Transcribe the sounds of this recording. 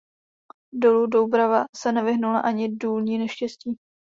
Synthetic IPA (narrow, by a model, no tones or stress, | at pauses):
do̞ludowbɾavasɛnɛvɪɦnulaʔaɲɪduːlɲiːnɛʃcɛsciː